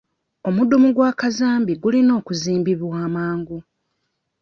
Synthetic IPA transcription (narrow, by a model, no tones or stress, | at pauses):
o̞mudumuɡwaːkazaːmbiɡulino̞ːkuziːmbiβwaːmaːŋɡu